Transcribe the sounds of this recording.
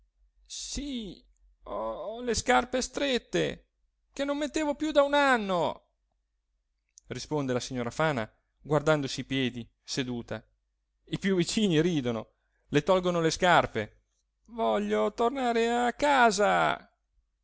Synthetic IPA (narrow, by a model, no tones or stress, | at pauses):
si | ɔleskarpest̪ɾet̪ːḛ | kenomːet̪ːeːvopjud̪aunanːo | rispond̪elasiɲːoːɾafaːna | ɡward̪and̪osiːpjɛːd̪i | sed̪uːt̪a | ipjuvːit͡ʃiːniɾiːd̪ono | let̪ɔlɡonoleskarpe | vɔʎːot̪ornaːɾeakːaːza̰